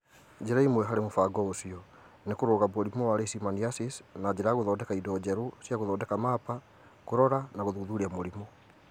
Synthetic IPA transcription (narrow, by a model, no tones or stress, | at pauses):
d͡ʑeɾaimwɛɦaɾemofaɡɔosiɔ | nekoɾoːɣaβoɾimɔwaɾesimaniasisnad͡ʑeɾaɣoðɔːdɛkaidɔd͡ʑɛɾosjaɣoðɔːdɛkamaːpa | koɾɔɾanaɣoðuðuɾiamoɾimɔ